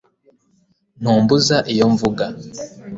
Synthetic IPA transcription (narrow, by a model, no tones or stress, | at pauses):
n̥uːmbuzaʔijo̞ɱvuɡa